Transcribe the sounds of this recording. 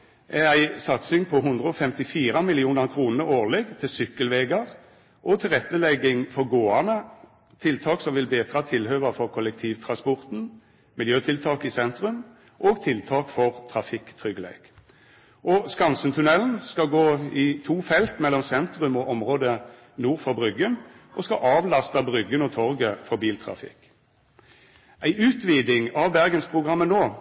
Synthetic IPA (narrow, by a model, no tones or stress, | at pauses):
ɛæɪsɑt̪sɪŋpʰɔɦʉnd̪ʁəɔfɛmt̪ɪfiːɾɑmɪlɪuːnɑʁkʰɾuːnəɾoːʁlɛɡt̪ʰɪlsʏkːəlʋeːɡɑʁ | ʔɔt̪ʰɪlʁɛt̪ːəlɛɡːɪŋfɔɾɡoːɑnə | t̪ʰɪlt̪ʰɑːksɔmʋɪlbeːt̪ɾɑt̪ʰɪlhøːʋɑfɔʁkʰɔlɛk̚t̪ʰiːʋt̪ʰʁɑnspɔʁt̪n̩ | mɪljøːt̪ʰɪlt̪ʰɑːkɪsɛnt̪ɾʉm | ʔoːɡt̪ʰɪlt̪ʰɑːkfɔʁt̪ʰʁɑfɪkːt̪ʰʁʏɡəlḛːɡ̥ | ʔɔskɑnsənt̪ʰʉnɛln̩skɑɡoːɪt̪ʰuːfɛlt̪mɛlːɔmsɛnt̪ʁʉmɔʔɔmʁoːd̪ə | nuːʁfɔbʁʏɡən | ʔɔskɑʔɑːʋlɑst̪ɑbʁʏɡːənɔt̪ʰɔʁɡəfɔbiːlt̪ʰʁɑ̰fɪ̰kː | ʔæɪʔʉːt̪ʋiːd̪ɪŋɑʋbæʁɡənspʰʁʊɡʁɑmːənoː